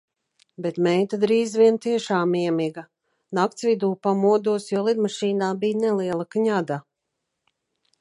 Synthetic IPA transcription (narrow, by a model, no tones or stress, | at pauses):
bɛt̪mɛjt̪ad̪ɾiːzvʲiɛnt̪iɛʃaːmiɛmiɡa | nak̚t̪svʲid̪uːpamuɔd̪uɔsjɔːlˠid̪maʃiːnaːbijnɛliɛlˠakɲad̪a